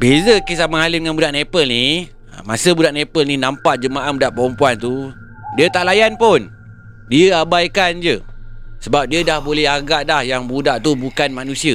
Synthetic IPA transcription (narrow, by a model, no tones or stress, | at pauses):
bezəkis̬amaaliəŋanbudaʔnepəlni | a̰masəbudaʔnepəlninampaʔd͡ʒəmaʔabudaʔpəɾɔmpuant̪u | diət̪aʔlajanpʊn | diəabajkand͡ʒəsəbap̚diədahbolɛhaɡaʔdahjaŋbudaʔt̪ubukanmanũsiə